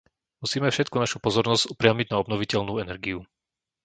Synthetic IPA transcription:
musiːmɛfʃɛt̪̚kunaʃupɔzɔɾnɔz̥ɟupɾɪamiɟnaɔbnɔʋicɛʎnuːɛnɛɾɡiu

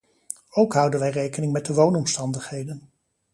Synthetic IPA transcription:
owkɦʌwdənʋɛjrejkənɪŋmɛt̚dəʋownɔmstɑndəχɦejdən

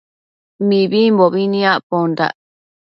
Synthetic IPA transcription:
mĩβimboβinĩaʔpond̪a̰

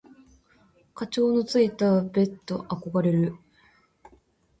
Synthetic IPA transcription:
kat͡ɕo̞ːno̞t͡sɨit̪abe̞t̪ːo̞ʔako̞ɡaɾe̞ɾɯ̟

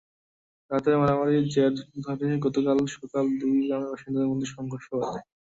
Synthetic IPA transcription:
ɾat̪aɾmanamaɾid͡ʑɛɾɖd̪ʱaʈineɡɔt̪okalʃɔkald̪ujɡɾameɾbaʃind̪ad̪eɾmod̪ʱːiʃɔŋɡʱoɾʃoate

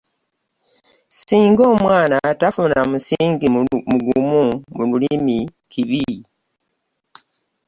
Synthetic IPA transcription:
siːŋɡo̞ːmwaːnatafunamusiːŋɡimuɡumumululimikʰiβi

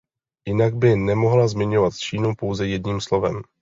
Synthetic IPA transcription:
jɪnaɡ̚bɪnɛmo̞ɦlazmɪɲo̞vat̪t͡ʃiːnupo̞wzɛjɛdɲiːmslo̞vɛ̰m

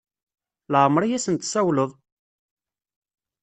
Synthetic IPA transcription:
lʕəmːɾˤijæsənt̪sæwləðˤ

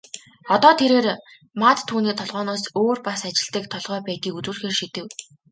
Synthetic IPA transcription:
ɔt̪ɔːt̪ʰeɾeːr | maːt̪t̪ʰːuːniːt̪ʰɔɮʁɔːnɔːsoːrpasat͡ɕɪ̆ɮt̪iːk̚t̪ʰɔɮʁœːpæːt̪iːkut͡sŭːɮxeːrʃit̪ɘ̆w

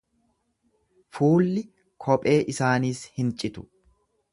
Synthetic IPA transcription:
fuːlːɪ | kʰɔpʼe̞ːʔɪsaːniːshɪnt͡ʃʼɪt̪ʊ̥

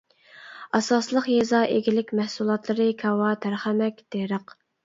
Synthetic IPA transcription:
ɑsɑslˠəqjezɑʔeɡʲilɪkʲmɛhsulˠɑt̪lˠɨɾɨkʲʰɑwɑt̪ʰæɾχæmɛkʲd̪̥eɾəq

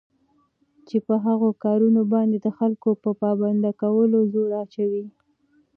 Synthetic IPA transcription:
t͡ʃepəɦaɣokɑɾunobɑnd̪ed̪əxalkopəpɑband̪akawəlozoɽat͡ʃawi

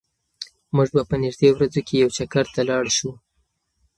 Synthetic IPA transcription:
muʒbapənɪʒd̪eowɾad͡zokʰejawt͡ʃakaɾt̪alɑɽʃu

